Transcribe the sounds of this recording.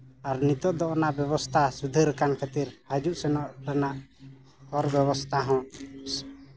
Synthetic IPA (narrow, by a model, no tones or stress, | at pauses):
aɾnit̪ɔʔd̪ɔʔɔnaʔbɛβɔst̪ʰasud̪ʱəɾɛkankʰət̪iɾhad͡ʒuʔsɛnɔʔɾɛnaʔ | hɔɾbɛβɔst̪ʰaɦɔ̃s